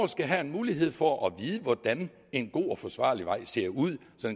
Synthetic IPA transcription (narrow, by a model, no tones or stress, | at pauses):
sɡ̥æɦæe̝nmuːliɦe̝ð̰ˠfɒʔɒʋiːð̞ˠəʋɒd̥æn | e̝nɡ̥o̝̰ːɒ̽fɒ̽sʋɑ̰̈ːliʋɑ̈ɪ̰se̝ɐ̰uð̰ˠ | sɒ̽n